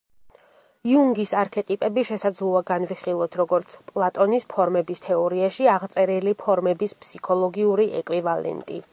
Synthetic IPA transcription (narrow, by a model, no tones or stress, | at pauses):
iuŋɡisaɾkʰɛt̪ʼipʼɛbiʃɛsad̪zlˠuaɡanviχilˠɔt̪ʰɾɔɡɔɾt̪sʰpʼlˠat̪ʼɔnispʰɔɾmɛbist̪ʰɛɔɾiaʃiaʁt̪sʼɛɾilipʰɔɾmɛbispʰsikʰɔlˠɔɡiuɾiʔɛ̰kʼwivalɛ̰nt̪ʼḭ